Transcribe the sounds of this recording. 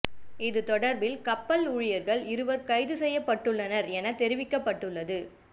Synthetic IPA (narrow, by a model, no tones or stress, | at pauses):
ɪðɯt̪ɔɽɐɾbɪlkɐpːɐluːɻɪjɐɾɣɐɭɪɾɯʋɐɾkɐɪðɯsɛjːɐpːɐʈːɯɭːɐnɐɾɛnɐt̪ɛɾɪʋɪkːɐpːɐʈːɯɭːɐðɯ